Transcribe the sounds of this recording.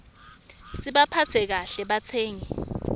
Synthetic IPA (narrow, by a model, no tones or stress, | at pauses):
siɓapʰat͡sʰɛk̬aɬɛɓat͡sʰɛːŋɛ